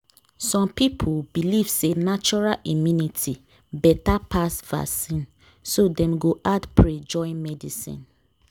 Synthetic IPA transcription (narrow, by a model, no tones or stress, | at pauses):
sɔ̃mpipʰubiliv̥senat͡ʃɔɹalĩmjunitʰi | bɛtapasva̰sĩn | sodɛ̃mɡoʔadpɹed͡ʒɔ̃ɪ̃nmɛdisḭ̃n